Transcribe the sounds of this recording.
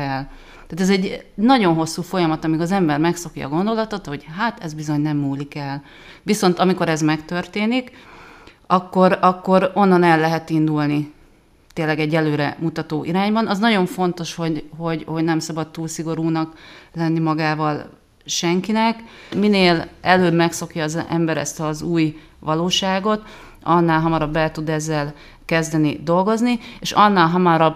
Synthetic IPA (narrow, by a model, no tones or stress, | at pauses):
ɛl | t̪aːt̪ɛzɛɟnɒɟo̞nɦo̞sːuːfo̞jɒmɒt̪ɒmiɡɒzɛmbɛrmɛkso̞kjɒ̰ɡo̞nd̪o̞lɒt̪o̞t̪ho̞ɟɦaːt̪ɛzbizo̞ɲnɛmːuːlikɛl | viso̞nt̪ɒmiko̞ɾɛzmɛkt̪ø̞rt̪eːnik | ɒkːo̞ɾɒkːo̞ɾo̞nːɒnɛlːɛɦɛt̪ind̪ulni | t̪eːnlːɛɡɛɟːɛløːɾɛ̰mut̪ɒt̪oːʔiɾaːɲbɒnɒznɒɟo̞ɱfo̞n̪t̪o̞ʃho̞ɟɦo̞ɟho̞ɟnɛmsɒbɒt̪t̪uːlsiɡo̞ɾuːnɒklɛnːimɒɡaːvɒl | ʃɛŋkinɛkmineːlɛløːbmɛkso̞kjɒːzɛ̰mbɛɾɛ̰st̪ɒzuːj | vɒloːʃaːɡo̞t̪ | ɒnːaːlɦɒmɒɾɒbːɛlt̪ud̪ɛzːɛl | kɛzd̪ɛnid̪o̞lɡo̞znieʃɒnːaːlɦɒmɒɾɒb